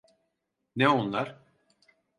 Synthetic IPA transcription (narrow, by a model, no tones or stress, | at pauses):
nɛonlˠaɾ̥